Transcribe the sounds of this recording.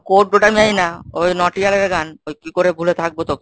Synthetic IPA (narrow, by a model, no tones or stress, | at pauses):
koʈ̚boʈamiajnaojnɔʈialeɾɡanojkikoɾebʱulet̪ʰak̚bot̪oki